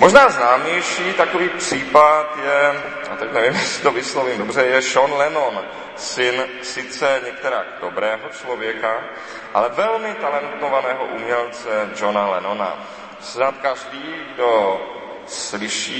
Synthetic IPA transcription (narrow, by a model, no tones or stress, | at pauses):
moʒnaːznaːmɲɛjʃiːt̪akoviːpr̝̥iːpat̪jɛ | a̰t̪ɛcnɛvɪmjɛsɪ̥t̪ovɪslovɪmdobr̝ɛjɛʃonlɛnon | sɪn | sɪt͡sɛɲɛk̚t̪ɛɾaːɡdobɾɛːɦot͡ʃlovjɛka | ʔalɛvɛlmɪt̪alɛnt̪ovanɛːɦoʔumɲɛlt͡sɛd͡ʒonalɛnona̰ | snat̪kaʒdiːɡdo | slɪʃiː